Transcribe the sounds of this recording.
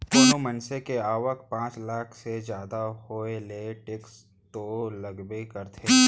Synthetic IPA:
d̪oːnomənsekeaːʋək̚pãːt͡ʃlaːkʰsed͡ʒjaːd̪aɦoːeleʈɪks | t̪olɐɡbekɐɾt̪ʰeː

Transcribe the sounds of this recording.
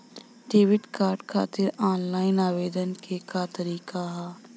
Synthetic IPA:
ɖeːʋɪʈkaːɾɖkʰa̰ːt̪ɪɾaːnlaːɪnaːʋeːd̪ənkekat̪əɾiːkaɦaː

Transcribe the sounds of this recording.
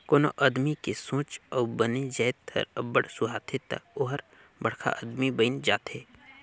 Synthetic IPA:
koːno̰ʔəːd̪mikesõːt͡ʃɔːbəned͡ʒəːt̪ə̰ɾəbəɽsʊɦaːt̪ʰet̪ə̰oɦəɾ | bɐɽkʰa̰ʔə̰d̪mibəɪnd͡ʒaːt̪eː

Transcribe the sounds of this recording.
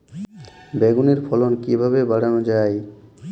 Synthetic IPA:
beɡuneɾfʰɔlonkibʱaβebaɽanod͡ʑaj

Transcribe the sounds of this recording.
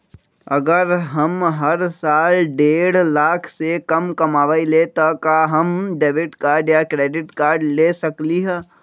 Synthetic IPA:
ɐɡəɾɦɐmɦɐɾsaːlɖeːɽlaːkʰsekɐmkɐmaːʋailet̪ɐkaɦɐmɖeːʋɪʈkaːɖjakɾeːɖɪʈkaːɾɖleːsɐkliɦɛː

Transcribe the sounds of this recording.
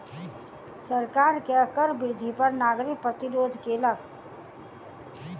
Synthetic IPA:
səɾkaːɾkeəkəɾbɾɪd̪ʱipəɾnaːɡɾɪk̚pɾət̪ɪɾoːd̪ʱkelək

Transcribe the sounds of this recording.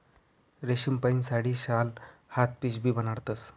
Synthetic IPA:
ɾeɕimpəinsaɽiːɕalhat̪̚piɕbʱiːbənaɽt̪əs

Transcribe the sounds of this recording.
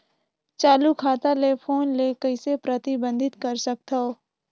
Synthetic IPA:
t͡ʃaːlukʰaːt̪alepʰoːnlekəɪsepɾət̪ɪbə̃nd̪ʱɪt̪kɐɾsɐk̚t̪oo

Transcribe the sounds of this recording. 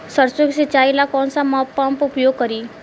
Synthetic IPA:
səɾsokset͡ʃailakɔnsamɔpːampupjoɡ̚kəɾiː

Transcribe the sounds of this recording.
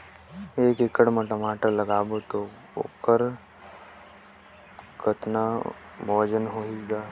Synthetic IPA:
eːkɪkəɽməʈəmaːʈəɾləɡaːbot̪o | o̰ːkəɾ | kʰət̪na | bʱɔːd͡ʒənɦoiɡaː

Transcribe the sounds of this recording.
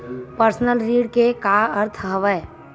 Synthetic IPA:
pəɾsnəlɾiːɽkekaːɐɾt̪ʰɦəʋə

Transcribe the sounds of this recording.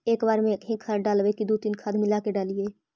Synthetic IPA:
eːkbaːɾmẽkɦĩkʰəɾɖaːlʋekid̪uːt̪inkʰəd̪mɪlaːkeɖaːlieː

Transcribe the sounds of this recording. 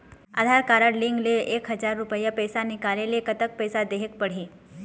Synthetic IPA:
a̰d̪ʱaɾkaɾəɽliŋɡleʔekɦəd͡ʒaɾːupəjəpəjsanikaɾelekət̪ək̚pəjsad̪eɦek̚pəɽ̤i

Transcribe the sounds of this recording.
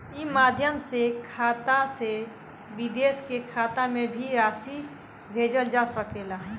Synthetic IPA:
imaːd̪ʱjəmsekʰaːt̪ase | ʋid̪eːskekʰaːt̪amẽbʱiɾaːsi | bʱeːd͡ʒəld͡ʒasəkelaɦ

